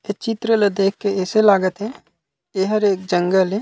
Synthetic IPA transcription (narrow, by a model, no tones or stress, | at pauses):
et͡ʃɪt̪ɾəled̪eːkʰːeɛːselaːɡət̪ɦɛ | eɦəɾeːk̚d͡ʒə̃ŋɡəle